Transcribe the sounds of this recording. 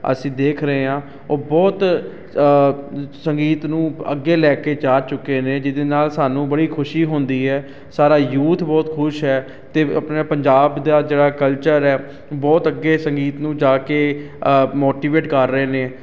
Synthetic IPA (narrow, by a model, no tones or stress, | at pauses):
ə̰sĩːd̪eːkʰɾəeːɦãː | oːbɔːt̪ | səŋɡiːt̪nũːə̰ɡːeːlɛːkeːt͡ʃaːd͡ʒt͡ʃʊkːeːneːd͡ʒɪd̪eːnaːlsaːnũːbəɽiːkʰʊʃiːɦʊ̃ːnd̪iːɦɛː | saːɾaːjuːt̪ʰbɔːt̪kʰʊʃɦɛː | t̪eːə̰pneːpəɲd͡ʒaːbd̪aːd͡ʒeːɽaːkəlt͡ʃəɾɛː | bɔːt̪əɡːeːsəŋɡiːt̪nũːd͡ʒaːkeː | moːʈiːʋeːʈkəɾːəeːneː